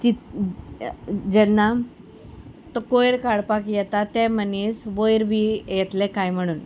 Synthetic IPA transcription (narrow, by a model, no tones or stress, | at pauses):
t͡ɕi | d͡ʑɛnːa | t̪ɔkojɽkaɽpakjɛt̪at̪ɛmənisʋojɾbʱijɛt̪lekajm̤əɽ̃uːn